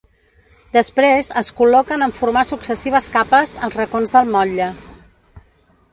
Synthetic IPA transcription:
d̪əspɾezəskulɔkənəɱfuɾmasuksəsiβ̞əskapəzəlˠzrəkonzðəlˠmɔʎə

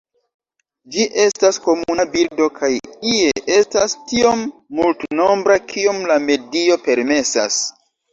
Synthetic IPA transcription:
d͡ʒiʔe̞stasko̞munabildo̞kʰajieʔe̞stastio̞mːultno̞mbɾakʰio̞mlame̞dio̞pe̞ɾme̞sa̰s

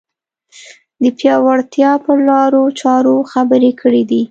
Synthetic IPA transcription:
d̪əpjɑwaɽt̪jɑpəlɑɾot͡ʃɑɾoxabəɾekʰəɽid̪i

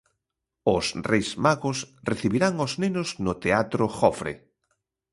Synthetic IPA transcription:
ʊsrejsmaɣʊsreθiβiɾaŋoznenʊznʊt̪eat̪ɾʊxɔfɾḛ

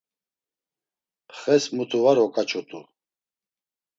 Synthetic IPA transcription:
pʰχɛsmut̪ʰuvaɾɔkʼat͡ʃʰʼut̪ʼṵ

